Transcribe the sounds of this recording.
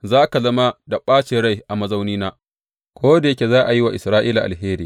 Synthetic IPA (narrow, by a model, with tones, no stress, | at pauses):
zaː˦ka˨zɐ˦ma˦da˨ɓaː˦t͡ʃeː˨ɽa˦jʔa˨mɐ˨za˦wniː˦naː˦ | kʷoː˦da˨je˦kʲe˨zaː˦ʔa˨ji˦wa˨ʔɪ˨sɾaː˦ʔiː˦la˨ʔa̰˨lɦeː˦ɾiː˨